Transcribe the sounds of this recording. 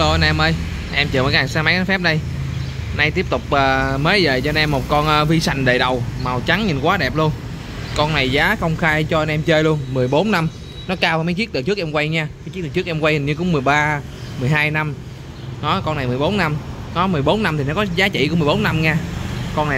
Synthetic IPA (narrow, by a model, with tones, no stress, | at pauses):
lo˧ʔə˧nɛ˧mʔəː˧j | ʔɛ˧mt͡ɕɨ˨˩məː˨˩ka˦˩˨saː˧ma˨˦jn˨˧˦fɛ˦˥p̚ɗə˧j | na˧jt̪i˦˥əp̚t̪ʊ˨˩k͡p̚ʔəː˨˩məː˨˦jzə̰ː˨˩t͡ɕɔ˧ə˧nʔɛ˧mːo˨˩t̚kɔ˧nʔəː˧vi˧sa˨˩jŋ̟ɗe˨˩ɗə˨˩wma˨˩wt͡ɕa˨˦ŋɲi˨˩nkwaː˨˦ɗɛ˨˩p̚lu˧ən | kɔ˧nna˨˩jzaː˨˦xə˧wŋ͡mxaː˧jt͡ɕɔ˧ʔə˧nʔɛ˧mt͡ɕəː˧jlu˧ənmɨ˨˩əjɓo˨˦nːa˧m | nɔ˨˦kaː˧waː˨˩m˨˦t͡ɕɨ˦˥ək̚ɨ˨˩t͡ɕɨ˦˥k̚ʔɛ˧mkwa˧jɲaː˧ma˨˦jt͡ɕi˦˥k̚ɗ̚t͡ɕɨ˦˥ək̚ʔ̚ɛ˧mkwa˧jhi˨˩ɲɨ˧kʊ̰˧˥ŋ͡mmɨ˨˩əjɓaː˧ | mɨ˨˩əjɦaː˧jna˧m | nɔ˨˦kɔ˧na˨˩jmɨ˨˩əjɓo˨˦nːa˧mnɔ˨˦mɨ˨˩əjɓo˨˦nːa˧mt̪i˨˩nɔ˨˦kɔ˨˦zaː˨˦t͡ɕḭ˧˨ku˧˥ŋ͡mmɨ˨˩jɓo˨˦nːa˧mɲaː˧kɔ˧na˨˩